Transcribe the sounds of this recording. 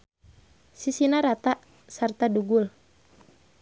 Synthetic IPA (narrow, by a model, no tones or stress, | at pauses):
sisinaɾat̪aʔ | sart̪aduɡul